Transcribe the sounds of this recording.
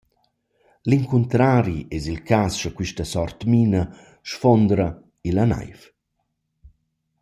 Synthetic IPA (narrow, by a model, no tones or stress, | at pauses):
liŋkunt̪ɾaːɾiʔɛzilkasʃakwiʃtasɔrt̪miːna | ʃfɔnd̪ɾa | ilana̰jf